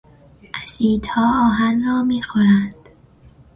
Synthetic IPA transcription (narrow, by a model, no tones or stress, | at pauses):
ʔæsiːd̪hɒːɒːɦænrɒːmiːxoɾænd̪̥